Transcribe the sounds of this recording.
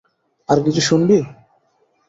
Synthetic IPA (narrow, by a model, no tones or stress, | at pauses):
aɾk̬it͡ɕʰuʃunbi